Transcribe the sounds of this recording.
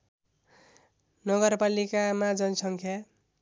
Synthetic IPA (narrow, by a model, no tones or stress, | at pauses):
nʌɡʌrpalikamad͡zʌnʌsʌŋkʰja